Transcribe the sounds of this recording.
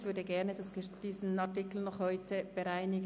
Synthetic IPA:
çv̥ʏɐdəɡɛɐnədasəd̥iːzn̩atɪkl̩nɔχhɔʏtəb̥əʁaɪnɪɡ

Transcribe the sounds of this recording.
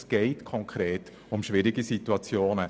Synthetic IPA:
sɡ̥ɛɪtkʰɔŋkʰɾeːt | ʊmʃʋɪɾɪɡisituɑt͡sjoːnə

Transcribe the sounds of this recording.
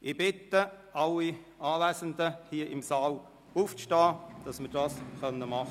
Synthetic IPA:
ʔɪb̥ɪt̪əʔɑlːi | ɑːvæːsəndəhiəʔɪmsɑːl | uːfʃtɑːd̥ɑsməɾd̥ɑːsχœnːəmɑχə

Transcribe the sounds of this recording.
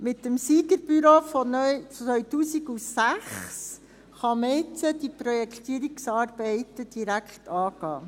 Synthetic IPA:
mɪt̪ːəmsiːɡəɾb̥yɾoːfɔnœʋœɥtuːsiɡusæχs | χɑməɪt͡sədipɾɔjɛkχt̪iːɾiksɑːɾb̥ɛɪtəd̥iɾækχt̪ɑːɡ̥ɑː

